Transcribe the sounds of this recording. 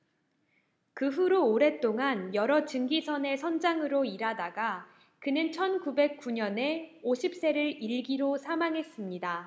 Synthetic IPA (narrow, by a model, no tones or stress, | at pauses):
kɯɸuɾoːɾe̞t͈oŋanjʌɾʌt͡ɕɯŋɡisʰʌne̞sʰʌnd͡ʑaŋɯɾoiɾadaɡa | kɯnɯnt͡ɕʰʌnkube̞k̚k͈uɲʌne̞oɕʰip̚s͈e̞ɾɯɾiɭɡiɾosʰamaŋɦe̞s͈ɯmɲida